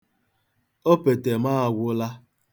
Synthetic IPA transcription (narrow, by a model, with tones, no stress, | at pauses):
o˦pe˨te˨maː˦a˨ɡʷʊ˦la˦